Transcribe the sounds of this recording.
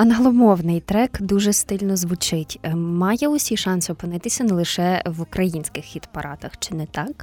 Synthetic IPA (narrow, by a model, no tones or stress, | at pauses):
ɐnɐɦlˠɔmɔwnɪjt̪ɾɛkd̪uʒɛst̪ɪlʲnɔzʋʊt͡ʃɪtʲmɑjɛɔsʲiʃɑnsʲʊɔpɪnɪt̪ɪsʲɐnɛlˠɪʃɛʋukɾɐjinʲsʲkɪxːʲit̪pɐɾʔɑt̪ɐxt͡ʃɪnɛt̪ɑk